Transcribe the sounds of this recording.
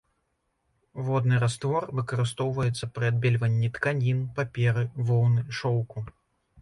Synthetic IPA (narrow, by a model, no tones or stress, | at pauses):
vɔd̪nɨɾast̪vɔrvɨkɐɾɨst̪ɔwvɐjɛt̪sːɐpɾɨad̪̚bʲɛlʲvɐnʲːit̪kanʲinpapʲɛɾɨvɔwnɨʂɔwku